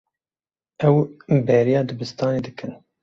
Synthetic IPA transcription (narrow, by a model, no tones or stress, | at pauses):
ɛwbɛɾijɑːd̪ɨbɨst̪ɑːned̪ɨkɨn